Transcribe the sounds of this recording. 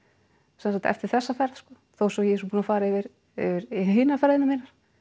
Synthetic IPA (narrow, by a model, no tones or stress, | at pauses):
sɛnakt̪ɛ̰ft̪ɪɾ̥θɛsːafɛɾðskɔː | θowsɔjɛs̬upuːnafaːɾaɪvɪɾ | ɪ̰vɪɾɦiːnafɛɾðɪnɪmiːnaɾ̥